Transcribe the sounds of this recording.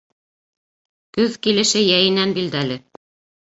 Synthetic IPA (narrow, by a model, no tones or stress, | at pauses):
kʉðkilɘ̆ʃɘjæjɘ̆nænbild̪ælɘ